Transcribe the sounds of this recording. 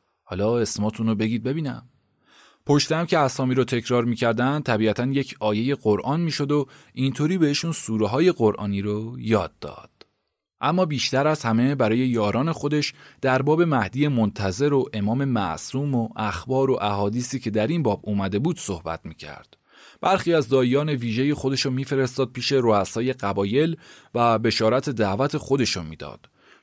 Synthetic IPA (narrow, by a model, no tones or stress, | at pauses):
hɒːlɒːe̞smɒːt̪ʰunobe̞ɟiːd̪̚be̞biːnæ̰m | pʰo̞ʃt̪eæmcʰe̞æsɒːmiːɾot̪ʰe̞cʰɾɒːɾmiːcʰæɾd̪ænd̪̚t̪ʰæbiːæt̪ʰænje̞cʰɒːje̞je̞ɢoɾʔɒːnmiːʃo̞d̪o̞ʔint̪ʰoːɾiːbe̞heʃuːnsuːɾeɦɒːje̞ɣo̞ɾʔɒ̰ːniːɾojɒ̰ːd̪̚ːɒ̰ːd̪̥ | ʔæmːɒːbiːʃt̪æɾæzhæme̞bæɾɒːje̞jɒːɾɒːne̞xo̞d̪e̞ʃd̪̥æɾbɒːbe̞mæhd̪ije̞mont̪ʰæze̞ɾoʔe̞mɒːme̞mæ̰ʔsuːmoʔæxbɒːɾo̞ʔæhɒːd̪iːsiːcʰe̞d̪æɾinbɒːbuːmæd̪e̞buːd̪̥sohbæ̰t̪ʰmiːcʰæ̰ɾd̪̥ | b̥æɾxiːæzd̪ɒːijɒːne̞viːʒe̞jexo̞d̪e̞ʃomiːfe̞ɾe̞st̪ɒːd̪̚pʰiːʃe̞ɾoæsɒːje̞ɢæbɒːje̞lvæbe̞ʃɒːɾæt̪ʰe̞d̪æʔvæt̪ʰe̞xo̞d̪e̞ʃomiːd̪ɒ̰ːd̪̥